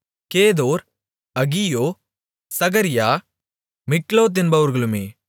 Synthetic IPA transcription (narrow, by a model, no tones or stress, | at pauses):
keːðoːɾ | ɐɣijoː | sɐɣɐɾɪjaː | mɪkloːt̪̬ɪnbɐʋɐɾɣɐɭɯmeː